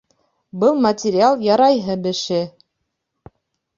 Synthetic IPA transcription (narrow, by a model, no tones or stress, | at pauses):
bɤlˠmɐtʲɪɾʲɪalˠjɑɾɑjɦɤbɘ̆ʃɘ